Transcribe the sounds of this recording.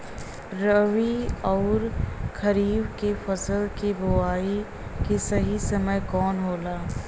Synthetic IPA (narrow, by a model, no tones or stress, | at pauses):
ɾəʋiɔːɾkʰɐɾiːbkefɐsəlkebʊaːi | kesɐɦisɐməjkɔːnɦoːlaː